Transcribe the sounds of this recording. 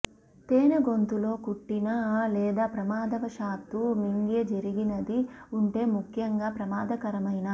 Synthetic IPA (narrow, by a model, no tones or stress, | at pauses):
t̪eːnɐɡo̞nt̪ulo̞ːkuʈːinɐlɛːd̪aːpɾɐmaːd̪ɐʋɐʃaːt̪ːumiŋɡed͡ʒɐɾiɡinɐd̪iuɳʈe̞ːmukʰjɐŋɡaːpɾɐmaːd̪ɐkɐɾɐmɐjnɐ